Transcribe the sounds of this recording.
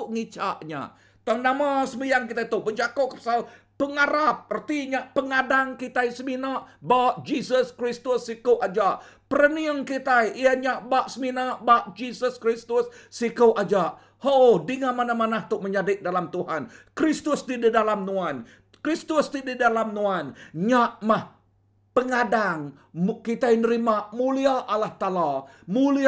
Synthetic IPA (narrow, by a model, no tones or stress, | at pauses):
ʊʔŋit͡ʃa̰ʔɲa̰ʔ | t̪uaŋnamasəmijaŋkit̪ajt̪ʊʔbəd͡ʒakoʔkəpḁsal | pəŋaɾap̚ərt̪iɲaʔpəŋadaŋkit̪ajsəminaʔbaʔd͡ʒisəskɾist̪ʊsːikoʔad͡ʒaʔ | pəɾəniəŋkit̪ajiaɲaʔbaʔsəminaʔbaʔd͡ʒisəskɾist̪ʊsːikəʔad͡ʒaʔ | hoʔodiŋamanamanaht̪ʊʔməɲadɪʔ̪̚dalamt̪uhankɾist̪ʊsd̪ididalamnũan | kɾist̪ʊst̪ididalamnuanɲaʔmah | pəŋadaŋ | kit̪ajnəɾimaʔmuliaʔalaht̪ala | muli